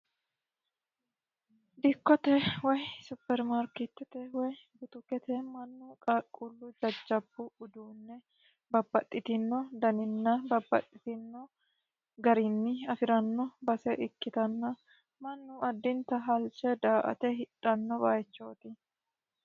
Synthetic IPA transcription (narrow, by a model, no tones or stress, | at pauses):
d̪ɪkːɔt̪ɛwɔjsʊpːɛɾmaɾkɪt̪ːɛt̪ɛwɔjbʊt̪ʊkɛt̪ɛmɐnːukʼɐkʼːulːʊd͡ʒɐd͡ʒːɐbːʊʊd̪uːnːɛ | bɐbːɐt̪ʼːɪt̪ɪnːɔd̪ɐnɪnːɐbɐbːɐ̰t̪ʼːɪt̪ɪnːɔ | ɡɐɾɪnːɪɐfɪɾɐnːɔbɐsɛʔɪkːɪt̪ɐnːɐ | mɐnːuɐd̪ːɪnt̪ɐɦɐlt͡ʃɛd̪aːʔɐ̰t̪ɛɦɪᶑʼɐnːɔbaːjt͡ʃːo̞ːt̪ɪ